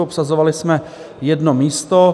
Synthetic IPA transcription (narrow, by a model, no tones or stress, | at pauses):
opsazovalɪsmɛ | jɛdnomiːst̪o